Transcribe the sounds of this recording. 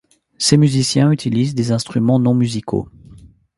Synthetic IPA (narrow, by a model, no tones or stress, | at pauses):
semyzisjɛ̃yt̪ʰilizd̪ezɛ̃st̪χymɑ̃nɔ̃myzikʰo̰